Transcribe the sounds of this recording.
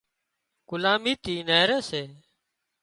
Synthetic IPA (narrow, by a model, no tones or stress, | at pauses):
ɡ̥ʊlaːmiːt̪iːneːɾeːseː